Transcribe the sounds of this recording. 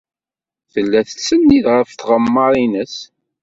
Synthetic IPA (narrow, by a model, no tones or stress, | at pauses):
θəlːæθə̥sːənːiðʁəfθʁəmːɑɾˤinəs